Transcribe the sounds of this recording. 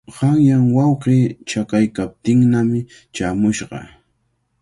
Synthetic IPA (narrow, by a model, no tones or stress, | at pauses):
ɢɑŋjaŋwɑwqeːt͡ʃakajkap̚t̪ɪŋnamɪ | t͡ʃaːmʊʃɢɑ̰